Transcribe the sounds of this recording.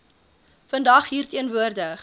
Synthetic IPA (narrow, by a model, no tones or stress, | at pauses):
fəndɐχɦiːrtiənvuərdəχ